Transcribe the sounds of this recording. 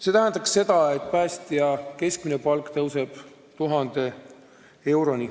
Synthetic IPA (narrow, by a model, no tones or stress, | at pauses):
se̞t̪æɦænd̪̥ɑksːe̞d̪̥ɑe̞t̪̚ːˑpæːst̪iɑke̞skmine̞pɑlkˑt̪ɤwse̞b̥ | t̪uɦɑnd̪̥e̞ | e̞wɾo̞ni